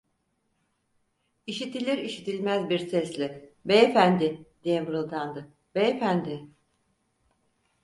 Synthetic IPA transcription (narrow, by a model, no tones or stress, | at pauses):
iʃit̪ʰilʲiɾiʃit̪ʰilʲmæzbiɾsɛslʲibeefænd̪ɪd̪eemɯɾɯlˠd̪ʰand̪ɯ | beefænd̪ɪ